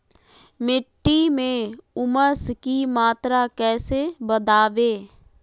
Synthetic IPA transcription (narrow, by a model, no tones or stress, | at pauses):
mɪʈːimẽʊməskimaːt̪ɾakɛːsebəd̪aːʋeː